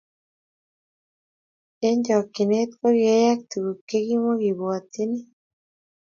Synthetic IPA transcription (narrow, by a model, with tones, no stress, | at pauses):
e˦ɲd͡ʒɔ˨ki˨ne˦t̪ko˦ɣe˦ja˦kt̪u˨ɣu˨ke˦ɣi˦mo˦ɣi˨βo˨a˨t̪i˦ni˦